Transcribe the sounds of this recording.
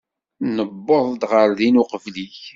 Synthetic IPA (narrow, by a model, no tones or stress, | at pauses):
nəbːoðˤd̪ʁəɾðinuqəvliç